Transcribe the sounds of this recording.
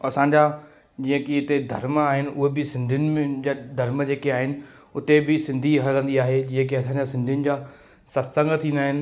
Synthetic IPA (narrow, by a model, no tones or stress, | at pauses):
ɐsãɲd͡ʑaː | d͡ʑĩːə̃kiɪt̪ed̪ʱɐɾmaːɦɪnɪ̆ʊɦebɪsɪ̃nd̪ʱijʊnɪ̆md̪ʱɐɾməd͡ʑeːkeaːɦɪnɪ̆ | ʊt̪ebɪsɪ̃nd̪ʱiɦɐɾə̃nd̪iaːɦed͡ʑĩːə̃k̬iɐs̬ãːɲd͡ʑasɪ̃nd̪ʱijʊnɪ̆d͡ʑaː | sɐsə̃ŋɡt̪ʰĩːnd̪aːɦɪnɪ̆